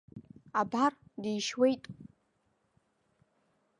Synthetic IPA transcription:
abardijʃwejtʼ

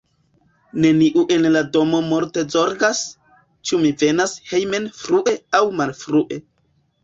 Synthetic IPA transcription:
ne̞niʔuʔe̞nlado̞mo̞moɾte̞zo̞ɾɡas | t͡ʃumive̞nashe̞jme̞nfɾuʔe̞awmalfɾuʔe̞

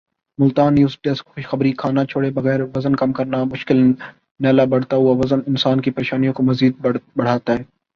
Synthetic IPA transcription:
mʊlt̪aːnjuːsʈɛskxʊʃxɐbɾikʰaːnat͡ʃʰoːɽebɐɣɛːɾʋɐzənkɐmkɐɾnamʊʃkɪl | nɛːlabɐɽ̤t̪aɦuaʋɐzənɪnsaːnkipeːʃaːnijõkomɐziːd̪̚bɐɽ̤aːt̪aɦɛː

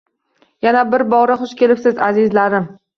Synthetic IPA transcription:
janabɪɾbɒʁɾɪχʊʃkʲe̞lɪpsɪzazɪzlaɾɪm

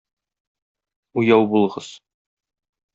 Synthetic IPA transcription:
ujɑwbulˠɤ̆ʁɤz

